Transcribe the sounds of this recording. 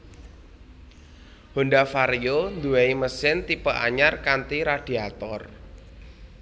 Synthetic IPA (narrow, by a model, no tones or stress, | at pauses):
hondafaɾijond̪uweiməsɪnt̪ipəʔa̰ɲarkant̪iɾad̥i̤at̪ɔr